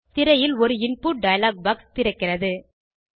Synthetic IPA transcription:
t̪ɪɾɐjɪlɔɾɯɪnpuːʈ̚ɖɐjɐlaːk̚bɐkst̪ɪɾɐɪkːɪrɐðɯ

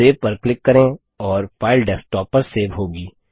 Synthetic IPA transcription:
eːʋpɐɾklɪkːɐɾẽ | ɔːɾfaːɪlɖɛsʈɔːpːəɾseːʋɦoːɡiː

